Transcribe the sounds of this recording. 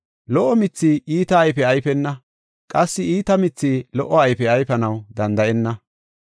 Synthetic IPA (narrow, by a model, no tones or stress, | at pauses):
lɔʔːɔmɪt͡sːiːiːt̪ɐːjfɛɐjfɛnːɐ | kʼɐsːɪiːt̪ɐmɪt͡sːiːlɔʔːɔɐjfɛɐjfɐnɐwd̪ɐnd̪ɐɛnːɐ